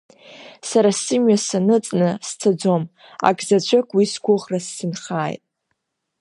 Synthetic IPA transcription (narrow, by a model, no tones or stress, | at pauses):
saɾasɨmɥasanɨt͡sʼnɨst͡sʰad͡zom | a̰kʼzat͡ɕʷʰakʷʼwisɡʷʊʁrasːɨnχaːjtʼ